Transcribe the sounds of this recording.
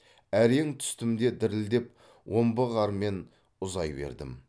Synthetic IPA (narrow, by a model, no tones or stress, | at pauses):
æɾeŋt̪ʰʏ̥st̪ɪmd̪e̞d̪ɪɾɪld̪e̞p | wʔo̞mbəʁɑɾme̞n | ʊzɑjbe̞̰ɾd̪ɪ̰m